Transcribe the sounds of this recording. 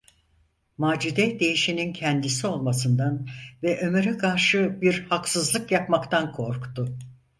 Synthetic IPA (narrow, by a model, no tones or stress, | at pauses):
maːd͡ʒud̪ɛd̪e̞jiʃinincʰɛnd̪isio̞lˠmasɯnd̪anvɛʔø̞myɾɛkʰaɾʃɯbiɾhaksɯzlˠɯkjapmakt̪ʰankʰo̞ɾkt̪ʊ